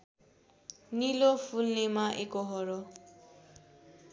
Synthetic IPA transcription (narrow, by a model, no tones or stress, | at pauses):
nilopʰulnemaʔekoɦʌɾo